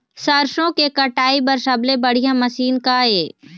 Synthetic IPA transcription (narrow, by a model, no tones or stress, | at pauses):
sɐɾʃõkekɐʈaːipɐɾsɐblebɐɽ̤ijãmɐsiːnkaeː